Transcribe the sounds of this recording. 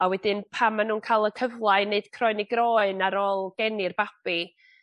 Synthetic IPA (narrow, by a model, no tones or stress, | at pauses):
awɛdɪnpʰamːanuːnkʰaːlˠəkʰəvlˠaɨneɨd̥kʰrɔɨniɡrɔːɨnaɾɔlˠɡ̥ɛnɪrb̥ab̥i